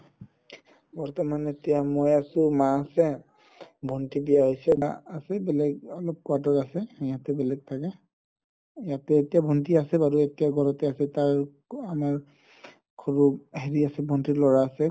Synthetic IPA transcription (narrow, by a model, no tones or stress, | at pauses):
bɔɹtɔmanetijamojasʊ̃maːsɛ | bʱɔntibijaɦojsɛbasɛbɛlɛɡɔlɔp̚kɔatɔɹasɛjatɛbɛlɛɡ̚tʰakɛ | jatɛːtijabʱɔntiasɛbaɹuetijaɡʱɔɹɔtɛasɛtaɹ | amaɹ | kʰoɹuɦeɹiasɛbʱɔntilɔɹaːsɛ